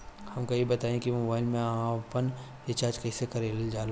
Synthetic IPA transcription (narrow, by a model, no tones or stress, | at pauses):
hɐmkɐjibɐt̪aːẽkimoːbaːɪlmẽãpən | et͡ʃaːɾd͡ʒkɐɦisekɐɾeːld͡ʒaːla